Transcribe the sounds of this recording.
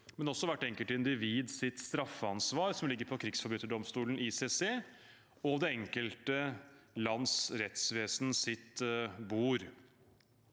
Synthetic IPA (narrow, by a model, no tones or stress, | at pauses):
mɛnɔsɔʋæʈːɛŋkəlt̪ɪnd̪ɪʋiːd̪sɪt̪st̪ɾɑfːəɑnsʋɑːɾsɔmlɪɡːəɾpʰɔkʰɾɪɡsfɔɾbʉːt̪ːəɖɔmst̪uːln̩iːseːseː | ɔd̪ɛɛŋkəlt̪əlɑnsɾɛt̪sʋeːsnəsɪt̪buːɾ